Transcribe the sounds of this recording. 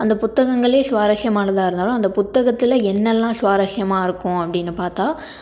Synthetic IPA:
ɐnd̪ɐpʊt̪ːɐɣɐŋɡɐɭeːsʋaːɾɐʂɪjɐmaːnɐt̪ãːɪɾɯnd̪aːlʊ̃ːɐnd̪ɐpʊt̪ːɐɣɐt̪ːɪlɐɛnːɛlːãːsʋaːɾɐʂjɐmaːɪɾɯkːʊ̃ɐpːɐɽɪnːɯpaːɾt̪aː

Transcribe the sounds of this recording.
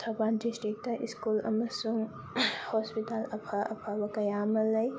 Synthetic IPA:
t̪ʰɐbaːndisʈik̚tɐʔiskulɐ̰mɐsuŋ | hoːspitalɐpʰaɐ̰pʰawɐkɐjaːmɐlɐj

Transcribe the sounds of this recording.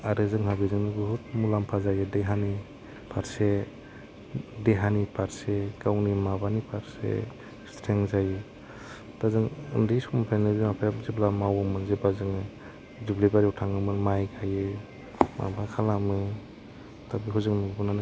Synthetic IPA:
aɾɯzɯŋɦabizɯŋnɯɡɯɦut̚mulampʰazajɯdeɦani | pʰaɾse | deɦanipʰaɾseɡawnimabanipʰaɾsḛ | stʰɾeŋzajɯ | tazɯŋɯ̰ndisɔmapʰanɯbmapʰajazeblamawamɯnzebazɯŋɯ | dublebaɾiwtʰaŋɯmɯnmajɡʰajɯ | ma̰bakʰalamɯ | tʰabiɦuzɯŋnɯbunanɯ

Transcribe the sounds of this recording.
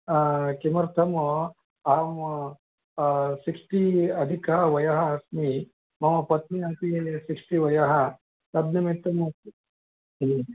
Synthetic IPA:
kimɐɾt̪ʰɐm | aːm | siksʈiɐd̪ʱikaʋɐjaɦɐːsmi | mɐmɐpɐt̪̚miat̪iesikʂʈiʋɐjaɦɐ | sɐb̪nɐmet̪ɐmɐ

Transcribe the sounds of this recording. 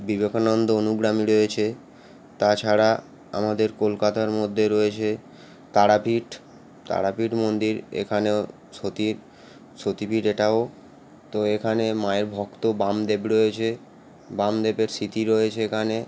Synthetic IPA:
bibekʰonɔnd̪oonuɡɾamiɾoet͡ɕʰe | t̪at͡ɕʰaɾa | a̰mad̪eɾkolkat̪aɾmod̪ʱːeɾojet͡ɕʰe | t̪aɽapʰiʈ | t̪a̰ɽapiʈmond̪iɾḛkʰaneo | sot̪iɾ | ʃot̪ipiʈeʈao | t̪oekʰanemaeɾbʱɔkt̪obamd̪ebɾoet͡ɕʰe | bamd̪ebeɾsit̪iɾojet͡ɕʰeekʰane

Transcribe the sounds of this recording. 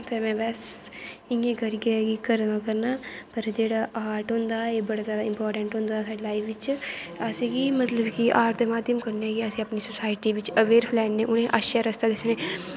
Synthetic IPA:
t̪emɛ̃ːbɛːsɪ̃ŋẽkəɾiɡeɡikəɾnaːkəɾnaː | pəɾd͡ʒeːɽaːʔaːɾʈɦõːnd̪aːeːbəɽaːzjaːd̪aɪmpɔːɾʈə̃ɳʈɦʊ̃ːnd̪aːsaːɾelaːiʋɪt͡ʃasĩɡimət̪ləbkiʔaːɾt̪emaːd̪iəmkəɾneɡiasĩəpniːsʊsaːɪʈiːʋɪt͡ʃəʋeːɾpʰlɛːʈnẽːʔʊñẽʔaʃaɾəst̪aːd̪esnẽ

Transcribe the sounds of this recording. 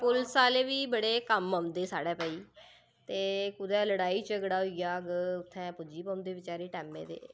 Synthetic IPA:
pʊlsaːleːʋiːbəɽeːkəməmd̪eːsaːɽɛːpəiː | t̪eːkʊd̪ɛːləɽaːiːt͡ʃəɡɽaːɦoiaːɡʊt̪ʰːɛ̃ːpʊd͡ʒiːpəmd̪eːʋɪt͡ʃaːɾiːʈɛːmːḛːd̪ḛː

